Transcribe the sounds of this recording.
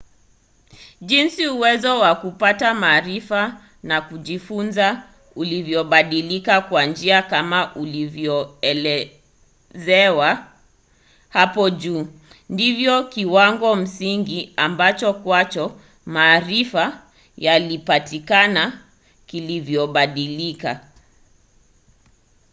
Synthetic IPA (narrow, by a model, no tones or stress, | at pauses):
ʄinsiuwɛzɔwakupatamaːɾifa | nakuʄifunza | ulivjɔɓaɗilikakwand͡ʒiakamaʔulivjɔɛlɛ | zɛwa | hapɔʄuː | ndivjɔkiwaŋɡɔm̩siŋɡiambat͡ʃɔkwat͡ʃɔ | maːɾifa | jalipatikana | kilivjɔɓaɗilika